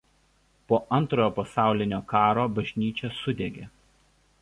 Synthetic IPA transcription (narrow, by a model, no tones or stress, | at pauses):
poːʔɐnt̪ɾoːjoːpɐsɑˑʊlʲɪnʲoːkɑːɾoːbɐʒʲnʲiːt͡ʃʲɛsʊd̪ʲeɡʲeː